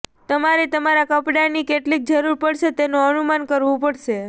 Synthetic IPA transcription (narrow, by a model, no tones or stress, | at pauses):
t̪əmaɾet̪əmaɾakəpɖaɾnikeʈlik̚d͡ʒəɾuɾpəɽʃet̪enoənumankəɾʋũpəɽʃe